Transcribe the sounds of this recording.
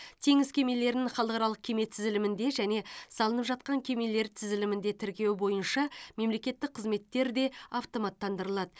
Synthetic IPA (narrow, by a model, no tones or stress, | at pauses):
t̪ʰe̞ŋɪzkʲʰe̞me̞le̞ɾnɪŋχɑlˠəqɑɾɑlˠəq̚kʲʰe̞me̞t̪sɪzɪlɪmɪnd̪e̞ʒæne̞sɑlˠənəpʒɑt̪̚qɑŋkʲʰe̞me̞le̞ɾt̪ʰɪzɪlɪmɪnd̪e̞t̪ʰɪɾkʲe̞wbo̞jənʃɑme̞mle̞kʲe̞t̪ːɪk̚qʰəzme̞t̪ːe̞ɾd̪e̞ɑft̪o̞mɑt̪ːɑnd̪əɾəlˠɑd̪ə